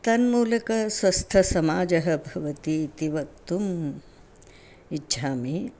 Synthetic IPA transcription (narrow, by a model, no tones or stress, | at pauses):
t̪ɐnmuːlɐkɐsʋɐst̪ʰɐsɐmaːd͡ʒɐɦɐ̆bʱɐʋɐt̪it̪iʋɐk̚t̪um | itːʃʰaːmi